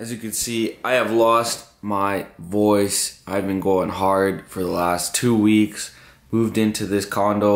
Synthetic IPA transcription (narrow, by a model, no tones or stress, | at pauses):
ɨzjɨkɨdsiʔaɪɨvlɔst̚ | maɪvɔɪsaɪɨvbɨ̃nɡoʊɪ̃ŋɦɑɹd̥fə˞ðəlæstʰʉwiks | muvdɪ̃ntʰʉðɪskʰɑ̃ndoʊ